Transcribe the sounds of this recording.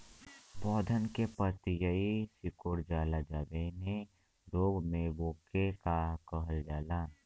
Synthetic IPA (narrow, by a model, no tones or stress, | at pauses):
bɔːd̪ʱənkepət̪jəisɪkoɾd͡ʒaːlad͡ʒaːbene | ɾoːɡmẽboːkekakəɦəld͡ʒaːlaː